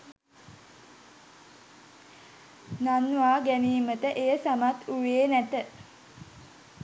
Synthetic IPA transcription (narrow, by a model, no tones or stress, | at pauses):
nanʋaːɡæniːmət̪əʔejəsamat̪uʋeːnæt̪ə